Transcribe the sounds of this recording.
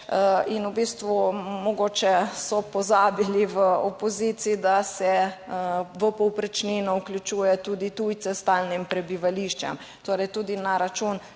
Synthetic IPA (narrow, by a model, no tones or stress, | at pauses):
inubist̪ʋumɔɡoːt͡ʃɛsɔpɔzaːbiliʋəopozit̪siid̪asɛ | ʋəpɔwpɾɛt͡ʃninɔuklʲjut͡ʃuːjɛt̪uːd̪it̪ujt̪sɛst̪aːlnimpɾɛbiʋaliʃt͡ʃɛ̰m | t̪oːɾɛjt̪ud̪inaɾat͡ʃuːn